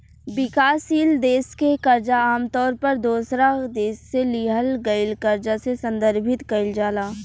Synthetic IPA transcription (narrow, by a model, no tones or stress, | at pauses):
bɪkaːsiːld̪eːskekɐɾd͡ʒaaːmt̪ɔːɾpɐɾd̪oːsɾad̪eːsːeliɦəlɡɐɪlkɐɾd͡ʒasesɐ̃nd̪əɾbʱɪt̪kɐɪld͡ʒaːlaː